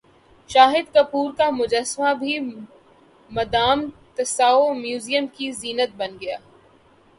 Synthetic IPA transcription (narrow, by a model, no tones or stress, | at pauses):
ʃaːɦɪd̪kɐpuːɾkamʊd͡ʒəsmabʱi | mɐd̪aːmt̪ɐsaːomjuːzijəmkiziːnət̪̚bɐnɡɐjaː